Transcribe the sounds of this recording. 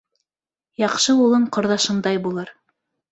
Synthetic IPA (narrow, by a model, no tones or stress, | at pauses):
jɑqʃɤulˠɤɴqŏɾðɑʃɤ̆nd̪ɑjbulˠɤɾ